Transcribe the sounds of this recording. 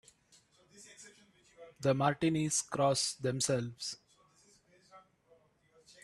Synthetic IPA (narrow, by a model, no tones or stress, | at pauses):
d̪əmaːɾʈiniskɾɔːsd̪ɛ̃msɛlʋs